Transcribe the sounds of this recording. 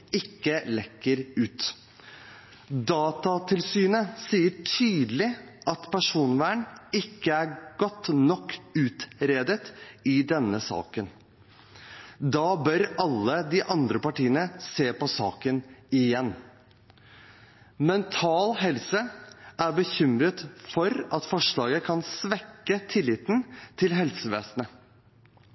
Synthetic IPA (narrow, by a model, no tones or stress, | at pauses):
ɪkːəlɛkːəɾʉːt̪ | d̪ɑːt̪ɑt̪ʰɪlsyːnəsiːəʈʰyːd̪lɪʔɑt̪pʰæʂuːnʋæːɳɪkːəæɾɡ̥ɔt̪ːnɔkːʉːt̪ɾeːd̪ət̪ɪd̪ɛnːəsɑ̰ːkən | d̪ɑːbœɾɑlːəd̪ɪʔɑnd̪ɾəpɑʈiːənəseːpɔsɑːkənɪjɛnː | mɛnt̪ʰɑːlɦɛlsəæɾbəçʏmɾət̪fɔɾɑt̪fɔʂɭɑːɡəkʰɑnsʋɛkːət̪ʰɪlːɪːt̪nt̪ʰɪlɦɛlsəʋeːsnə